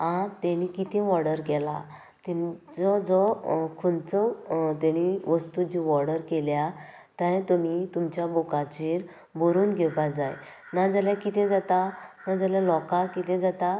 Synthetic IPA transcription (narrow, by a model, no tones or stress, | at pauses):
ãt̪ɛɽ̃ikit̪ʰɛ̃ʋɔɽəɾkɛla̰ | t̪ɛd͡zɔd͡zɔkʰunt͡sɔt̪eɽ̃iʋəst̪ud͡ʑiʋɔɾɽəɾkelja | t̪ãjt̪umit̪umt͡ɕjabokat͡ɕiɾ | boɾuːnɡʱɛpad͡zaj | nad͡zaljakit̪ẽd͡zat̪anad͡zəljalɔkakit̪ʰẽd͡zat̪a